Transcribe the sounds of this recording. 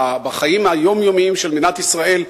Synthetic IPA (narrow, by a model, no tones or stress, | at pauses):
baχajimhajo̞mjomiimʃelminat̪isʁae̞l